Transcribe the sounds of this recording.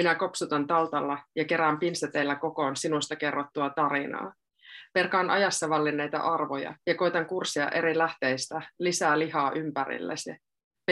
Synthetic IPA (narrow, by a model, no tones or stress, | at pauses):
minæko̞psut̪ɑnt̪ɑlt̪ɑlːɑjɑke̞ɾæːmpinst̪et̪ːejlːæko̞ko̞nsinust̪ɑke̞rːot̪ːuɑt̪ɑɾinɑ̰ː | ʋerkɑːnʔɑ̰jɑsːɑʋɑlːinːejt̪ɑ̰ʔɑrʋojɑ̰jɑko̞jt̪ɑŋkursiɑ̰ʔe̞ɾilæht̪ejst̪ælisæːliɦɑːʔympæɾḭlːḛsi